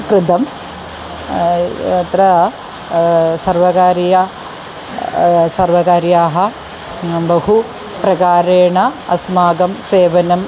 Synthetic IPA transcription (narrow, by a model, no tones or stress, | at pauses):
kɾɪd̪ɐm | ɐt̪ɾɐ | sɐɾʋɐkaːɾjɐ | sɐɾʋɐkaːɾjaːɦɐ | bɐɦu | pɾɐɡaːɾeːɳɐɐsmaːɡɐmseːʋɐnɐm